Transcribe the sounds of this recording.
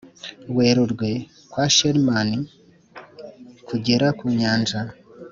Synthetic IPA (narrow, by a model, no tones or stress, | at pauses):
we̞ːɾuɾɡwe̞ | kwaʃeɾmani | kʰuɟe̞ɾakuɲaːnʒa